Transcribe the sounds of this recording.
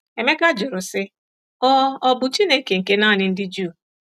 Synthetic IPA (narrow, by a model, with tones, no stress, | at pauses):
e˨me˦ka˦d͡ʒʊ˨ɾʊ˨sɪ˦ | ɔ˦ɔ˦bʊ˨t͡ʃi˦ne˦ke˨ŋ̩˨ke˦na˦˨nɪ˦n̩˦dɪ˦d͡ʒuː˦˨